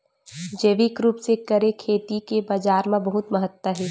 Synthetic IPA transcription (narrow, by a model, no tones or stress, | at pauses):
d͡ʒeːʋikɾuːpsekɐɾekʰeːʈ̪ikebaːd͡ʒaːɾmãbɐɦʊt̪mɐɦət̪wəɦɛː